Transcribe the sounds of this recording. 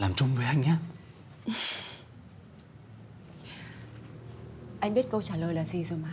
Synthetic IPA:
laː˨˩mt͡ɕʊ˧ŋ͡mvəː˨˦jʔa˧jŋ̟ɲaː˧˦ | ʔa˧jŋ̟ɓi˦˥ət̚kə˧wt͡ɕaː˧˩ləː˨˩jlaː˨˩zi˨˩zo˨˩jmaː˨˦

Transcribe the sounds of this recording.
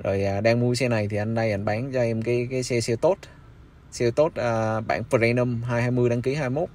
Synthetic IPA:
zo˨˩jʔaː˨˩ɗaː˧ŋmu˧əsɛ˧na˨˩jt̪ʰi˨˩ʔa˧jŋ̟ɗa˧jʔa˧˩jŋ̟ɓaː˨˦ŋzɔ˧ʔɛ˧mkaː˨˦jkaː˨˦jsɛ˧sɛ˧wt̪o˦˥t̚ | sɛ˧wt̪o˦˥t̚ʔəː˨˩ɓa̰ː˧˩nfə˨˧˩a˧jnə˧mɦaː˧jhaː˧jmɨ˧əjɗaː˧ŋki˨˦haː˧jmo˦˥t̚

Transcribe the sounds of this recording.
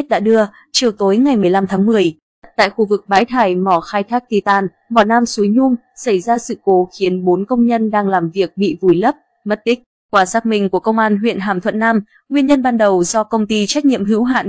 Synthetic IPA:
t̚ɗa̰ː˧˥ɗɨ˧ə | t͡ɕi˨˩əwt̪o˨˦jŋa˨˩jmɨ˨˩əjla˧mt̪ʰaː˨˦ŋmɨ˨˩əj̚ | t̪a̰ː˧˨jxu˧vɨ˨˩k̚ɓaː˨˦jt̪ʰaː˧˩jmɔ˧˩xaː˧jt̪ʰaː˦˥k̚t̪i˧˩t̪aː˧˩n | mɔ˨˩naː˧msu˨˦jɲʊ˧ŋ͡m | sa˧˩jzaː˧sɨ̰˧˨ko˨˦xi˨˦ənɓo˨˦nkə˧wŋ͡mɲə˧nɗaː˧ŋlaː˨˩mvi˨˩ək̚ɓḭ˧˨vu˨˩jlə˦˥p̚ | mə˦˥t̚t̪ï˦˥k̟̚ | kwaː˧˩saː˦˥k̚mï˧˩ŋ̟ku˧˩əkə˧wŋ͡mʔaː˧nɦwḭ˧˨ənɦaː˨˩mt̪ʰwə̰˧˨nːaː˧m | ŋwi˧ənɲə˧nɓaː˧nɗə˨˩wzɔ˧kə˧wŋ͡mt̪i˧t͡ɕa˦˥k̟̚ɲḭ˧˨əmɦɨ˨˦əwɦa̰ː˧˨n

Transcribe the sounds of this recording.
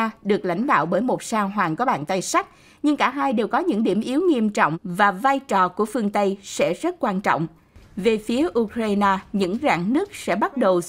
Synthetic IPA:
ɗɨ˨˩ək̚la̰˧˥jŋ̟ɗa̰ː˧˨wɓəː˧˩jmo˨˩t̚saː˧wɦwaː˨˩nkɔ˨˦ɓa̰ː˧˨nt̪a˧jsa˦˥k̟̚ | ɲɨ˧ŋkaː˧˩ɦaː˧jɗe˨˩wkɔ˨˦ɲɨ̰˧˥ŋɗi˧˩əmʔi˨˦wŋi˧əmt͡ɕɔ̰˧˨wŋ͡mvaː˨˩vaː˧jt͡ɕɔ˨˩ku˧˩əfɨ˧əŋt̪ə˧jsɛ̰˧˥zə˦˥t̚kwaː˧nt͡ɕɔ̰˧˨wŋ͡m | ve˨˩fi˨˦əʔu˧kɾaː˧jnaː˧ɲɨ̰˧˥ŋza̰ː˧˥ŋnɨ˦˥ək̚sɛ̰˧˥ɓa˦˥t̚ɗə˨˩w

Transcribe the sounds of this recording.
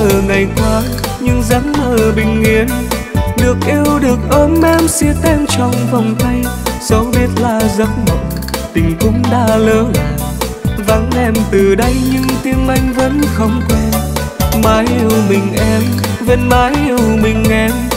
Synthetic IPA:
əː˨˩na˨˩jkɔ˨˦ | ɲɨ˧ŋza˨˦nməː˨˩ɓï˨˩ŋ̟ʔi˨˧˦ən | ɗɨ˨˩ək̚ʔi˧əwɗɨ˨˩ək̚ʔəː˧˦mʔɛ˧msi˧ət̪ɛ˧ŋt͡ɕɔ˨˩wŋ͡mvɔ˨˩wŋ͡mt̪ə˧jso˨˦ɓi˦˥ət̚laː˨˩zə˨˦nɓə˨˩ŋ͡m | t̪ï˨˩ŋ̟kʊ̰˨˦ŋ͡mɗaː˧ləː˨˦nlaː˨˩ | va˨˦nlɛ˧˩mt̪ɨ˨˩ɗə˧jɲɨ˧ŋt̪i˧ənʔa˧jŋ̟və̰˨˦nxə˧˩wŋ͡mkwɛ˧n | maː˨˦jʔi˧əwmï˨˩ŋ̟ʔɛ˧m | ve˧˩nmaː˨˦jʔi˧əwmï˨˩ŋ̟ʔɛ˧˦m

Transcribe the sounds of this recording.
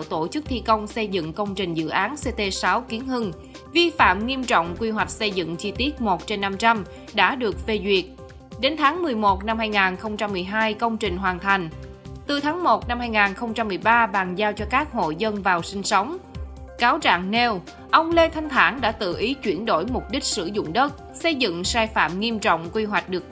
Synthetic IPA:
wt̪o˧˩t͡ɕɨ˦˥k̚t̪ʰi˧kə˧wŋ͡msə˧jzɨ̰˧˨ŋkə˧wŋ͡mt͡ɕï˨˩ŋ̟zɨ̰˧˨ʔaː˨˦nse˧t̪e˧saː˨˦wki˨˦ənhɨ˧ŋ | vi˧fa̰ː˧˨mŋi˧əmt͡ɕɔ̰˧˨wŋ͡mkwi˧ɦwa˨˩k̟̚sə˧jzɨ̰˧˨ŋt͡ɕi˧t̪i˦˥ət̚mo˨˩t̚t͡ɕe˧nːa˧mt͡ɕa˧m | ɗa̰ː˧˥ɗɨ˨˩ək̚ve˧zwi˨˩ət̚ | ɗe˨˦nt̪ʰaː˨˦ŋmɨ˨˩əjmo˨˩t̚na˧mhaː˧jŋaː˨˩nxə˧wŋ͡mt͡ɕa˧mːɨ˨˩əjɦaː˧jkə˧wŋ͡mt͡ɕï˨˩ŋ̟ɦwaː˨˩nt̪ʰa˨˩jŋ̟t̪ɨ˨˩t̪ʰaː˨˦ŋmo˨˩t̚na˧mhaː˧jŋaː˨˩nxə˧wŋ͡mt͡ɕa˧mːɨ˨˩əjɓaː˧ɓaː˨˩ŋzaː˧wt͡ɕɔ˧kaː˦˥k̚ho̰˧˨jzə˧nvaː˨˩wsï˧ŋ̟sə˨˦wŋ͡m | kaː˨˦wt͡ɕa̰ː˧˨ŋnɛ˧w | ʔə˧wŋ͡mle˧t̪ʰa˧jŋ̟t̪ʰaː˧˩nɗa̰ː˧˥t̪ɨ̰˧˨ʔi˨˦t͡ɕwi˧˩ənɗo̰˧˩jmʊ˨˩t̚ɗï˦˥k̟̚sɨ̰˧˩zʊ̰˧˨ŋ͡mɗə˦˥t̚ | sə˧jzɨ̰˧˨ŋsaː˧jfa̰ː˧˨mŋi˧əmt͡ɕɔ̰˧˨wŋ͡mkwi˧ɦwa˨˩jk̟̚ɗɨ˨˩ək̚

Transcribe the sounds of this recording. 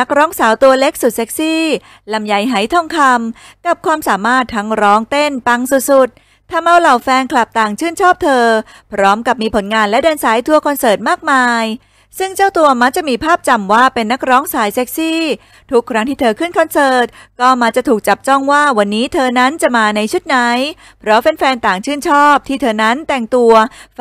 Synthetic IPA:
na˦˥k̚ɾɔː˦˥ŋsaː˩˦wt̪u˧ɐle˦˥k̚su˨˩t̪̚se˦˥k̚siː˥˩ | la˨˧˩mja˨˩˦jɦa˩˦jt̪ʰɔ˥˩ŋkʰa˧m | ka˨˩p̚kʰwaː˧msaː˩˦maː˥˩t̪ʰːa˦˥ŋɾɔː˦˥ŋt̪e˥˩npa˧ŋsu˨˩t̪̚su˨˩t̪̚ʰː | a˧mʔa˧wla˨˩wfɛː˧nkʰla˨˩p̚t̪aː˨˩ŋt͡ɕʰɯː˥˩nt͡ɕʰɔː˥˩p̚t̪ʰɤː˧ | pʰɾɔː˦˥mka˨˩p̚miː˧pʰo˩˦nŋaː˧nlɛ˦˥dɤː˧nsaː˩˦jt̪ʰu˧ɐkʰɔ˧nsɤː˨˩t̪̚maː˥˩k̚maaː˧j | sɯ˥˩ŋt͡ɕaː˥˩wt̪u˧ɐma˦˥k̚t͡ɕa˨˩ʔmiː˧pʰaː˥˩p̚t͡ɕa˧mwaː˥˩pe˧nːa˦˥k̚ɾɔː˦˥ŋsaː˩˦jse˦˥k̚siː˥˩ | t̪ʰu˦˥kʰːɾa˦˥ŋt̪iː˥˩t̪ʰɤː˧kʰɯ˥˩nkʰɔ˧nsɤː˨˩t̪̚kɔː˥˩ma˦˥k̚t͡ɕa˨˩t̪ʰuː˨˩k̚t͡ɕa˨˩p̚t͡ɕɔ˥˩ŋwaː˥˩wa˧nːiː˦˥t̪ʰɤː˧na˦˥nt͡ɕa˨˩ʔmaː˧na˧jt͡ɕʰu˦˥t̪̚na˦˥j | pʰɾɔ˦˥pe˧nfɛː˧nt̪aː˨˩ŋt͡ɕʰɯː˥˩nt͡ɕʰɔː˥˩p̚t̪ʰiː˥˩t̪ʰɤː˧na˦˥nt̪ɛ˨˩ŋt̪u˧ɐ

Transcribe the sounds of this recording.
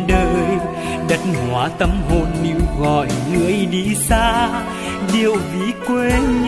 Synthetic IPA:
ɗəː˧j | ɗə˨˦˥t̚hwaː˨˦t̪ə˧˦mɦo˧nːi˧wɣɔ̰˧˨jŋɨ˧˩˨əjɗi˧˦saː˧ | ɗi˧˩˨əwvi˨˦kwe˧˦ɲ

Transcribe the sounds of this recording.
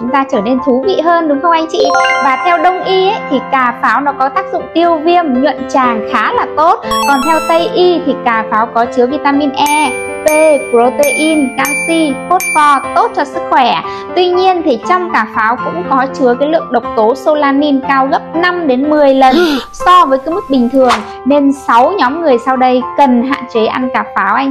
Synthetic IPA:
t͡ɕʊ˨˦ŋ͡mt̪aː˧t͡ɕəː˧˩ne˧nt̪ʰu˨˦vḭ˧˨ɦəː˧nɗʊ˨˦ŋ͡mhə˧wʔa˧jŋ̟t͡ɕḭ˧˨vaː˨˩t̪ʰɛ˧wɗə˧wŋ͡mʔi˧ʔe˦˥jt̪ʰi˨˩kaː˧˩faː˨˦wnɔ˨˦kɔ˨˦t̪aː˦˥k̚zʊ̰˧˨ŋ͡mt̪i˧əwvi˧əmɲwə̰˧˨nt͡ɕaː˨˩ŋxaː˨˦laː˨˩t̪o˦˥t̚kɔ˨˩nt̪ʰɛ˧wt̪ə˧jʔi˧t̪ʰi˨˩kaː˧˩faː˨˦wkɔ˨˦t͡ɕɨ˨˦əvi˧t̪aː˧mi˧nʔɛ˧ | pe˧pɾo˧t̪e˧ʔi˧nkaː˧nsi˧ko˦˥t̚fɔ˧t̪o˦˥t̚t͡ɕɔ˧sɨ˦˥k̚xwɛ˧˩ | t̪wi˧ɲi˧ənt̪ʰi˨˩t͡ɕɔ˧wŋ͡mkaː˧˩faː˨˦wkʊ̰˧˥ŋ͡mkɔ˨˦t͡ɕɨ˨˦əkaː˨˦jlɨ̰˧˨əŋɗə˨˩wk͡p̚t̪o˨˦so˧laː˧ni˧nkaː˧wɣə˦˥p̚na˧mɗe˨˦nmɨ˨˩əjlə˨˩nsɔ˧vəː˨˦jkaː˨˦jmɨ˦˥k̚ɓï˨˩ŋ̟t̪ʰɨ˨˩əŋ | ne˧nsa˨˦wɲɔ˨˦mŋɨ˨˩əjsa˧wɗə˧jkə˨˩nɦa̰ː˧˨nt͡ɕe˨˦ʔa̰˧nkaː˧˩faː˨˦wʔa˧jŋ̟

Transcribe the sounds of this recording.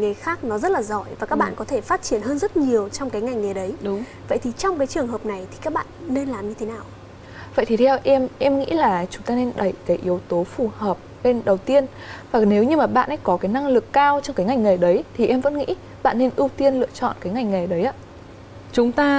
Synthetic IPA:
ŋ˨˩jxaː˦˥k̚nɔ˨˦zə˦˥t̚laː˨˩zɔ˧˩jvaː˨˩kaː˦˥k̚ɓa̰ː˧˨kɔ˨˦t̪ʰe˧˩faː˦˥t̚t͡ɕi˧˩ənɦəː˧nzə˦˥t̚ɲi˨˩əwt͡ɕɔ˧wŋ͡mkaː˨˦jŋa˨˩jŋ̟ŋa˨˩jɗə˨˦jɗʊ˨˦ŋ͡m | və̰˧˨jt̪ʰi˨˩t͡ɕɔ˧wŋ͡mkaː˨˦jt͡ɕɨ˨˩əŋɦəː˨˩p̚na˨˩jt̪ʰi˨˩kaː˦˥k̚ɓa̰ː˧˨nːe˧nlaː˨˩mɲɨ˧t̪ʰe˨˦naː˨˩w | və̰˧˨jt̪i˨˩t̪ʰɛ˧wʔɛ˧mʔɛ˧mŋḭ˧˥laː˨˩t͡ɕʊ˨˦ŋ͡mt̪aː˧ne˧nɗə˧˩jkaː˨˦jʔi˨˦əwt̪o˨˦fu˨˩həː˨˩p̚le˧nɗə˨˩wt̪i˧ən | vaː˨˩ne˨˦wɲɨ˧maː˨˩ɓa̰ː˧˨nʔə˨˦jkɔ˨˦kaː˨˦jna˧ŋlɨ˨˩kːaː˧wt͡ɕɔ˧wŋ͡mkaː˨˦jŋa˨˩jŋ̟ŋa˨˩ɗə˨˦jt̪ʰi˨˩ʔɛ˧mvə̰˧˥nŋḭ˧˥ | ɓa̰ː˧˨nːe˧nʔɨ˧wt̪i˧ənlɨ̰˧˨ət͡ɕɔ̰˧˨nkaː˨˦jŋa˨˩jŋ̟ŋa˨˩ɗə˨˦jʔaː˨˦ | t͡ɕʊ˨˦ŋ͡mt̪aː˧

